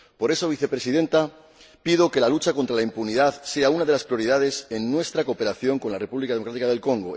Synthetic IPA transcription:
po̞ɾe̞so̞β̞iθe̞pɾe̞siðe̞nt̪a | pið̞o̞ke̞lalut͡ʃakont̪ɾalaimpuniðaðse̞aunaðeaspɾijo̞ɾiðað̞e̞senːwe̞st̪ɾakope̞ɾaθjoŋko̞nlare̞puβlikaðeokɾat̪ikað̞e̞lko̞ŋɡo̞

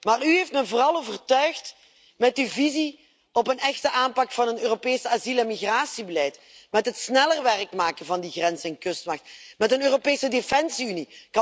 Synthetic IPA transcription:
maːryɦeftmɛvoːrɑlˠoːvərtœɥxt | mɛtyvizi | ɔpənɛxtəʔaːnpɑkfɑnənøːropeːsaziləmiɣraːsibəlɛjt | mɛtɦətsnɛlərʋɛrkmaːkəvɑndiɣrɛnzɛnkɵstmɑxtmɛtənøːropeːsədefɛnsiynikɑ

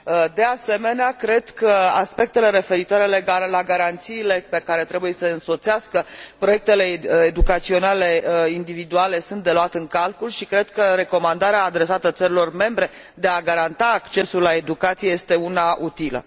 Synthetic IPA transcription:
əd̪e̞ase̞me̞neakɾe̞d̪kəaspe̞k̚t̪e̞le̞ɾe̞fe̞ɾit̪oaɾe̞le̞ɡaɾelaɡaɾant̪siːle̞pe̞kaɾe̞t̪ɾe̞buje̞səɨnso̞t̪siaskəpɾo̞jek̚t̪e̞le̞ed̪ukat̪sio̞nale̞ind̪ivid̪uale̞sunt̪̚d̪e̞luat̪eɨŋkalkulʃikɾe̞d̪̥kəɾe̞ko̞mand̪aɾeaːd̪ɾe̞sat̪ət̪səɾilo̞rme̞mbɾe̞ | d̪e̞aɡaɾant̪aːkt͡ʃe̞sulːae̞d̪ukat̪sije̞jest̪e̞unaut̪ilə̰

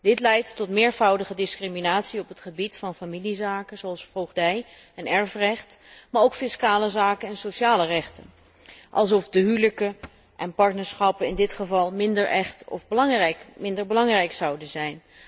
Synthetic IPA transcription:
d̥ɪtlɛjtːɔtmɪːɹvɑwdəχədɪskriminaːtsiɔpətχəbitfɑnfamilizaːkəzoɑlˠsfowχdɛj | ɛnɛɹfrɛχtmaːɹowkfɪskaːləzaːkənɛnsoʃaːlərɛχtə̰n | ʔɑ̰lˠsɔfdəɦyləkə | ʔɛnpɑɹtnəɹsχɑpəɪndɪtχəvɑlˠmɪndəɹʔɛχtɔ̰fbŋrɛkmɪndəɹbəlɑŋrɛjksɑwdənzɛjn

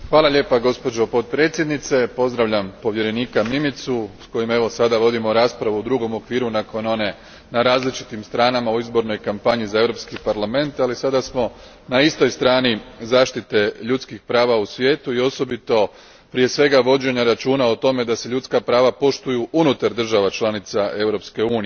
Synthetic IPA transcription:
xʋaːlˠaʎe̞ːpaɡo̞spo̞d͡ʑo̞po̞t̪̚pɾet̪sʲjed̪nit̪se̞po̞zd̪ɾaʋʎampo̞ʋje̞ɾe̞niːkamimit̪susko̞jime̞ʋo̞sad̪aʋo̞d̪imo̞ɾaːspɾaʋuud̪ɾuɡo̞mo̞kʋiːɾunako̞no̞ne̞ | naɾaːzlit͡ʃi̥t̪imst̪ɾaːnamauizbo̞ɾno̞jkampaɲizae̞ʋɾopskipaɾlˠame̞nt̪alisad̪asmo̞ | naist̪o̞jst̪ɾaːnizaːʃt̪it̪e̞ʎut̪skixpɾaːʋausʋjeːt̪uio̞so̞bit̪o̞ | pɾije̞sʋe̞ɡaʋo̞d͡ʑe̞ɲaɾat͡ʃuːnaot̪o̞me̞d̪ase̞ʎut̪skapɾaːʋapo̞ʃt̪ujuʔunut̪aɾd̪r̩ʒaʋat͡ʃlˠanit̪saʔe̞ʋɾo̞pske̞uːni

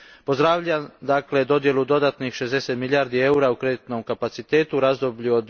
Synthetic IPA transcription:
pozd̪ɾaːʋʎad̪akle̞d̪o̞d̪je̞lud̪o̞d̪at̪nixʃezd̪ese̞t̪miljaːɾd̪ie̞uɾaukɾe̞d̪it̪no̞mkapat̪sit̪e̞ːt̪uɾaːzd̪o̞bʎuod̪

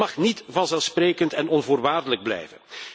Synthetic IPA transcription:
ɑxnitvɑnzɛlˠspreːkəntɛnɔnvoːrʋaːrdələɡ̚blɛ̰jvən

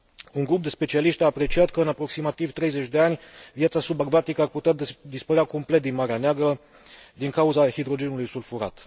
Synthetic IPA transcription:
uŋɡɾup̚d̪e̞spe̞t͡ʃialiʃt̪ʲaːpɾe̞t͡ʃiat̪kəɨnapɾo̞ksimat̪ivt̪ɾe̞jze̞t͡ʃʲd̪e̞anʲvjat̪sasubaɡvat̪ikəarput̪eat̪d̪ispəɾeako̞mple̞t̪̚d̪inmaɾeaneaɡɾə | d̪iŋkauzaxid̪ɾo̞d͡ʒe̞nulujsulfuɾa̰t̪

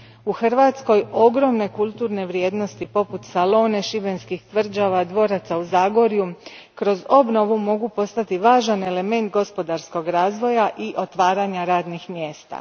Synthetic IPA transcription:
uxr̩ʋaːt̪sko̞jo̞ɡɾo̞mne̞kulˠt̪uɾne̞ʋɾje̞ːd̪no̞st̪ipo̞put̪salo̞ːne̞ʃibe̞nskixt̪ʋr̩d͡ʒaʋad̪ʋo̞ːɾat̪sauzaːɡo̞ɾju | kɾo̞zo̞bno̞ʋumo̞ɡupo̞st̪at̪iʋaːʒane̞le̞me̞nt̪̚ɡo̞spo̞d̪aɾsko̞ɡɾaːzʋo̞jaʔiʔo̞t̪ʋaːɾaɲaɾaːd̪nixmje̞ːst̪a̰

